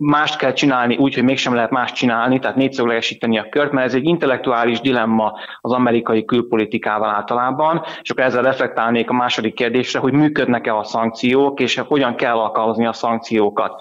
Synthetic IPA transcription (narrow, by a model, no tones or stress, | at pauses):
maːʃt̪kɛlt͡ʃinaːlniʔuːcho̞ɟmeːkʃɛmlɛɦɛt̪maːʃt̚t͡ʃinaːlnit̪ɛaːt̪neːt̪søɡlɛɡɛʃiːt̪ɛniɒkørt̪mɛɾɛzɛɟːint̪ɛlːɛk̚t̪uaːliʒd̪ilɛmːɒ | ɒzɒmɛɾikɒjikylpo̞lit̪ikaːvɒlaːlt̪ɒlaːbɒneʃɒkːɾɛzːɛlrɛflɛk̚t̪aːlneːkɒmaːʃo̞d̪ikːeːrd̪eːʃrɛɦo̞ɟmyːkød̪nɛkɛɒsɒŋk̚t̪sijoːkeːʃho̞ɟɒŋkɛlːɒlkɒlmɒzniɒsɒŋk̚t̪sijoːkɒ̰t̪